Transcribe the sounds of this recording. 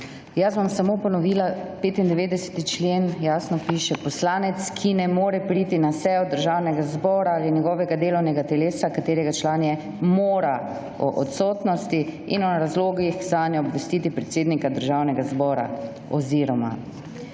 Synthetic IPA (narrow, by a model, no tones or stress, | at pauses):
jasbɔmsamoːpɔnɔʋiːlapeːt̪ind̪ɛʋeːd̪ɛsɛ̥t̪it͡ʃleːnjaːsnɔpiːʃɛpɔslaːnɛt̪skʰinɛmoːɾɛpɾit̪inasɛjɔd̪əɾʒaːwnɛɡazbɔːɾaaːlinjɛɡɔʋɛɡad̪eːlɔwnɛɡat̪ɛleːsakat̪eːɾɛɡat͡ʃlaːnjɛ | moːɾa | ɔ̰ʔɔ̰t̪sɔːt̪nɔst̪i | ḭnɔɾazloːɡixzanjɛɔbʋɛst̪iːt̪ipɾɛt̪seːd̪nikad̪əɾʒawnɛɡazbɔːɾa̰ | ɔ̰ziɾɔma̰